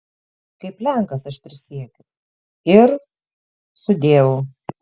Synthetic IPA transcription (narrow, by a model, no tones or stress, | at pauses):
kɐɪplʲæŋkɐsɐʃt̪ʲɾʲɪsʲiɛkʲʊ | ɪɾ | sʊd̪ʲeːʋo